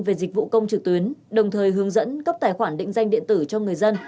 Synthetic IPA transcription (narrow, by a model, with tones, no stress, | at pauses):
ve˨˩zï˨˩k̟̚vṵ˧˨kə˧wŋ͡mt͡ɕɨ˨˩k̚t̪wi˨˦ənɗə˨˩wŋ͡mt̪ʰəː˨˩jɦɨ˨˦əŋzə̰˧˥nkə˦˥p̚t̪aː˨˩jxwaː˧˩nɗḭ̈˧˨ŋ̟za˧jŋɗḭ˧˨ənt̪ɨ˧˩t͡ɕɔ˧ŋɨ˨˩əjzə˧n